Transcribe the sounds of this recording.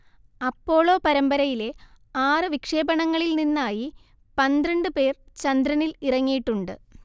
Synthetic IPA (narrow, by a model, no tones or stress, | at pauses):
ɐpːo̞ːɭo̞ːpɐɾɐmbɐɾɐjile̞aːrɨʋikʂe̞ːbɐɳɐŋːɐɭilninːaːji | pɐnd̪rɐɳɖɨpe̞ːrt͡ɕɐnd̪ɾɐnilirɐŋːijiʈːuɳɖɨ